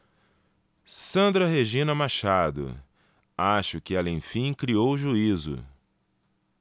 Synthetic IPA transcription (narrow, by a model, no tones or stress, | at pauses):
sɐ̃nd̪ɾɐɦeʒĩnɐmaʃad̪ʊ̰ | aʃʊkɪɛlɐẽj̃fĩj̃kɾiowʒuizʊ̰